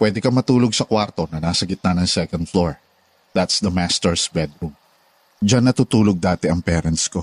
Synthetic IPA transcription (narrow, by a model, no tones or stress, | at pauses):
pwɛd̪ɛkɐmɐt̪uːloɡ̚sɐkwaɾt̪o̞nɐnaːsɐɡɪt̪̚nɐnɐŋsɛkɐnd̪̚floɹ | d̪̥at̪sd̪ɐmast̪ɛɹsbɛd̪ɹum | d͡ʒanːɐt̪ut̪uːloɡ̚d̪aːt̪ɛʔɐŋpɛːɾɐnt̪sko̞